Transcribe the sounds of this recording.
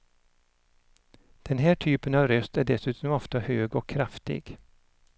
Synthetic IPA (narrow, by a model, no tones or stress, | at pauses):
d̪̥ɛnɦæːʈʰyːpənɑvɾœst̪æɖɛsʉ̟ːt̪ɔmɔft̪ahøːɡɔkʰːɾaft̪ɪ̰ɡ